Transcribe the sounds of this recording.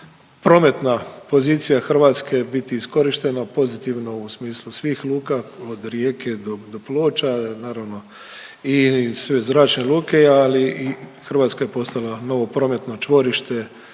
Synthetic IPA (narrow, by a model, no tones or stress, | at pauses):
pɾo̞ːme̞t̪napo̞ziːt̪sijaxr̩ʋaːt̪skebit̪iːsko̞ɾiʃt̪e̞napo̞zit̪iʋnousmiːslusʋiːxlˠuːkaod̪ɾjeːkʰe̞d̪od̪oploːt͡ʃanaːɾaʋno̞ | isʋe̞zɾaːt͡ʃnelˠuːke̞aliixr̩ʋaːt̪skaje̞po̞st̪alˠano̞ʋo̞pɾo̞ːme̞t̪no̞t͡ʃʋo̞ɾiʃt̪e̞